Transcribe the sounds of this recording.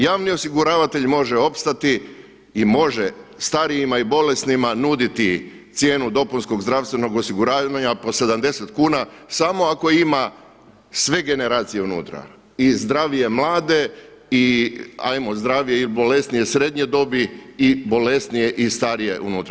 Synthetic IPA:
jaːʋnio̞siɡuɾaːʋat̪e̞ʎmo̞ʒeo̞pst̪at̪i | imo̞ʒest̪aɾijimaibo̞le̞snimanud̪it̪i | t̪sje̞ːnud̪o̞punsko̞ɡzd̪ɾaʋst̪ʋe̞no̞ɡo̞siɡuɾaːaɲapo̞se̞d̪amd̪e̞se̞t̪kuːnasamo̞ako̞ima | sʋe̞ɡe̞ne̞ɾaːt̪sije̞unṵːt̪ɾa̰ | izd̪ɾaːʋije̞mlˠaːd̪e̞ia̰jmozd̪ɾaːʋijeilbo̞le̞st̪nije̞sɾe̞d̪ɲe̞d̪o̞biːbo̞le̞st̪nije̞ʔist̪aɾije̞̰ʔṵnuːt̪ɾa

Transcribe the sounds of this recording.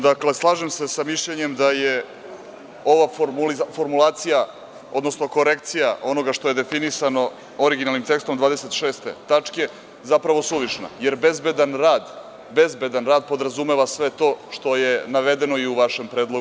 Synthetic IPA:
d̪akle̞slˠaːʒemsesamiʃʎeɲe̞md̪aje | o̞ʋafoɾmulifo̞ɾmulˠaːt̪sija | o̞d̪nosnoko̞ɾekt̪sijaʔo̞no̞ɡaʂt̪o̞je̞d̪e̞finisano̞ | oɾiɡinalnimt̪e̞kst̪omd̪ʋaːd̪e̞se̞t̪ʃeːst̪e̞̰t̪at͡ʂke̞ | zapɾaʋo̞suʋiʃna̰jeɾbe̞zbed̪anɾaːd̪ | be̞zbe̞d̪anɾaːd̪̚po̞d̪ɾazumeʋasʋe̞t̪o̞ːʃt̪o̞jenaʋe̞d̪e̞no̞iuʋaʃe̞mpɾeːd̪lˠo

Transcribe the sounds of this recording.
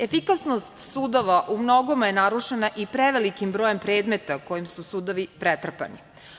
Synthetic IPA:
efikasnost̪suːd̪o̞ʋaʔumno̞ɡo̞majenaɾuʃenaʔipɾeʋelikimbɾo̞jempɾeːd̪met̪ako̞jimsusuːd̪oʋipɾet̪r̩pa̰nḭ

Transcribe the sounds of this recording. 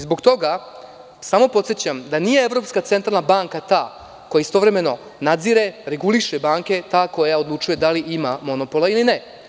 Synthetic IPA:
zbo̞ɡt̪o̞ɡa | samo̞po̞t̪sjet͡ɕamd̪anije̞evɾo̞ːpskat̪se̞nt̪ɾalnabaŋkat̪aː | ko̞jaist̪o̞ʋɾe̞me̞no̞ | nad̪ziɾeɾe̞ɡuliʃebaːŋke̞t̪aːko̞jao̞d̪lˠut͡ʃuje̞d̪aliʔimamo̞no̞po̞lailine

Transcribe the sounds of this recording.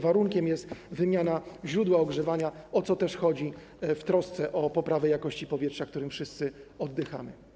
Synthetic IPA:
vaɾuŋkʲɛmjɛst̪vɘmʲjanaʑɾud̪waɔɡʐɛvaɲaɔt̪sɔt̪ɛʂxɔd͡ʑi | ft̪ɾɔst̪sɛʔɔpɔpɾavɛjakɔɕt͡ɕipɔvʲjɛtʂak̚t̪uɾɘmfʂɘst̪sɘɔd̪ːɘxa̰mɘ̰

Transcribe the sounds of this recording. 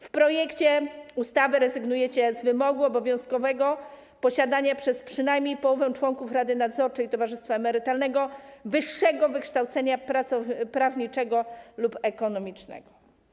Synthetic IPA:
fpɾɔjɛkt͡ɕɛust̪avɘɾɛzɘɡnujɛt͡ɕɛzvɘmɔɡuɔbɔvʲjɔ̃w̃skɔvɛɡɔ | pɔɕad̪aɲapʂɛspʂɘnajmʲɲejpɔwɔvɛw̃t͡ʂwɔŋkufɾad̪ɘnad̪zɔɾt͡ʂɛjit̪ɔvaʐɘst̪faɛmɛɾɘt̪alnɛɡɔvɘʂːɛɡɔvɘkʂt̪awt̪sɛɲapɾat̪sɔpɾavɲit͡ʂɛɡɔlupɛkɔnɔmʲit͡ʂnɛ̰ɡɔ

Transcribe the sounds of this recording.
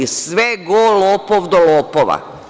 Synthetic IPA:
isʋeɡoːloːpoʋd̪oloːpoʋa̰

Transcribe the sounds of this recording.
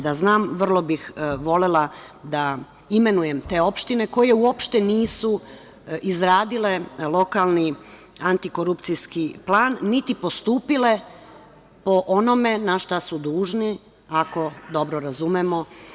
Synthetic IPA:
d̪aznaːmʋr̩lˠo̞bixʋo̞lelad̪a | ime̞nuje̞mt̪e̞ːo̞pʃt̪ine̞ko̞je̞uopʃt̪e̞niːsu | izɾaːd̪ile̞lˠo̞kalˠni | ant̪ikoɾupt̪sijskiplˠaːnːit̪ipo̞st̪uːpile̞ | po̞ʔo̞no̞me̞naʃt̪asud̪uːʒni | ako̞d̪o̞bɾoɾazumemo̞

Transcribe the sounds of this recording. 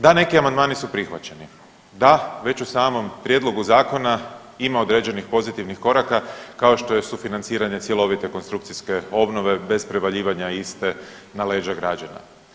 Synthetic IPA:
d̪ane̞kiamand̪maːnisupɾixʋa̰t͡ɕe̞ni | d̪aʋe̞t͡ɕusaːmo̞mpɾje̞d̪lˠo̞ɡuzaːko̞na | imaod̪ɾe̞ːd͡ʑe̞nixpo̞zit̪iʋnixko̞ɾakakao̞ʃt̪o̞je̞sufinant̪siːɾaɲe̞t̪sje̞lo̞ʋit̪e̞konst̪ɾukt̪siske̞o̞bno̞ʋe̞be̞zpɾe̞ʋaʎiːʋaɲaist̪e̞ | nale̞ːʒaɡɾad͡ʒana̰

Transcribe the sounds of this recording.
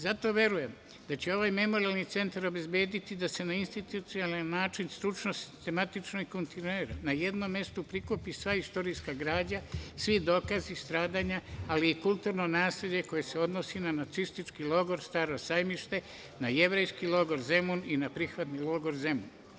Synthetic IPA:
zat̪o̞ʋje̞ɾuje̞m | d̪at͡ɕe̞o̞ʋaːjme̞mo̞ɾialnit̪se̞nt̪aɾo̞be̞zbe̞ːd̪it̪id̪ase̞nainst̪it̪ut̪sialanːaːt͡ʃinst̪ɾut͡ʃnosi̥st̪e̞mat̪it͡ʃnoɡkont̪ineɾanaje̞d̪no̞mːje̞st̪upɾikupisʋaist̪o̞ɾijskaɡɾaːd͡ʑasʋid̪o̞ːkazist̪ɾaːd̪aɲaaliːkult̪uːɾno̞naːsleʎe̞ko̞jese̞o̞d̪no̞sinanat̪sist̪it͡ʃkilo̞ɡo̞ɾst̪aːɾo̞sajmiʃt̪e̞ | naje̞ʋɾe̞jskilˠo̞ɡo̞ɾze̞muninapɾixʋat̪niloɡo̞ɾze̞mṵn

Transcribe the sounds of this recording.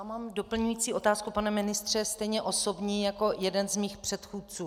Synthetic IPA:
amaːmdo̞pl̩ɲujiːt͡siːʔo̞t̪aːskupanɛmɪnɪst̪r̝̥ɛst̪ɛjɲɛʔo̞so̞bɲiːjako̞jɛdɛnzmiːxpr̝̥ɛt̪xuːt̪̚t͡suː

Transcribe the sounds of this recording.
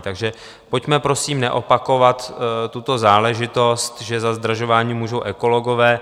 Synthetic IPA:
t̪aɡʒɛ | po̞cmɛpɾo̞siːmnɛʔo̞pako̞vat̪t̪ːut̪o̞zaːlɛʒɪt̪o̞st̪ʒɛzazd̪raʒovaːɲiːmuːʒo̞wʔɛko̞loɡo̞vɛː

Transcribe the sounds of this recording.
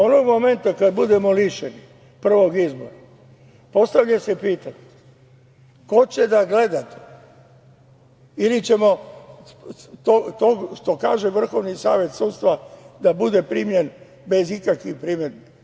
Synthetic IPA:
ono̞ɡmo̞me̞nt̪akad̪̚bud̪e̞mo̞liʃeni | pr̩ʋo̞ɡizbo̞̰ɾa | po̞st̪aʋʎasepiːt̪aɲe | ko̞t͡ɕe̞d̪aɡle̞d̪at̪e̥ | ilit͡ɕe̞mo̞ | t̪ot̪oɡʃt̪o̞ka̰ːʒe̞ʋr̩xo̞ʋnisaːʋje̞t̪sud̪st̪ʋad̪abud̪e̞pɾimje̞n | be̞zikakʋixpɾimjeɾni

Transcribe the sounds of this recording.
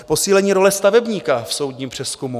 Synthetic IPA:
po̞siːlɛɲiːɾo̞lɛst̪avɛbɲiːkafso̞wd̪ɲiːmpr̥ɛskumu

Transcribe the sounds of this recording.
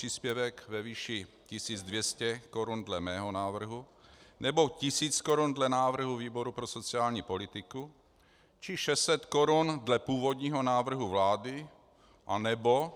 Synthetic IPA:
iːspjɛvɛkvɛviːʃɪ | cɪsiːd͡zdvjɛscɛkoɾundlɛmɛːɦo̞naːvr̩ɦunɛbo̞cɪsiːt͡skoɾundlɛnaːvr̩ɦuviːbo̞ɾupɾoso̞t͡siaːlɲiːpo̞lɪt̪ɪku | t͡ʃɪʃɛst͡sɛt̪ko̞ɾundlɛpuːvo̞d̪ɲiːɦo̞naːvr̩ɦuvlaːdɪ | ʔanɛbo̞

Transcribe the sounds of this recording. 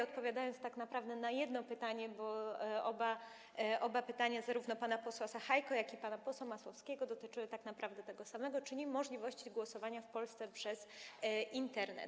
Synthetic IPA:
ɔt̪̚pɔvʲjad̪ajɔnt̪st̪aknapɾavd̪ɛnajɛd̪nɔpɘt̪aɲɛbɔɔba | ʔɔbapɘt̪aɲazaɾuvnɔpanapɔswasaxajkɔjakʲipanapɔswamaswɔfskʲɛɡɔd̪ɔt̪ɘt͡ʂɨwɛt̪aknapɾavd̪ɛt̪ɛɡɔsamɛɡɔt͡ʂɘɲimɔʐlʲivɔɕt͡ɕiɡwɔsɔvaɲafpɔlst̪sɛpʂɛzint̪ɛɾnɛ̰t̪

